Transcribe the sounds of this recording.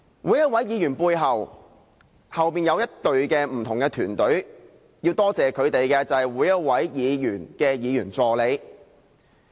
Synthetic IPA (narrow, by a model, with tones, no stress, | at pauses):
wʔuː˨˧˥jɐ˥t̚wɐ˨˥jiː˨˧jyː˨˩npuː˧jɦɐ˨w | hɐ˨wpiː˨njɐ˨˧wjɐ˥t̚t̪ɵ˨ɥkɛː˧m̩˨˩t̪ʰʊ˨ŋkɛː˧t̪ʰyː˨˩nt̪ɵ˨˥ɥ | jiː˧wt̪ɔː˥t͡sɛː˨˩kʰɵ˨˧ɥt̪e˨jkɛː˧t͡sɐ˨hɛ˨˩jwuː˨˥jɐ˥t̚wɐ˨˥jjiː˨˧jyː˨˩nkɛː˧jiː˨˧jyː˨˩nt͡sɔː˨le˨˧j